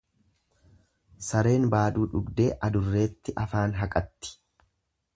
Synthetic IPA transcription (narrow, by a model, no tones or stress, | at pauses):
sɐɾe̞ːnbaːd̪uːᶑʊɡd̪e̞ːʔɐd̪ʊrːe̞ːt̪ːɪʔɐfaːnɦɐkʼɐt̪ːɪ̥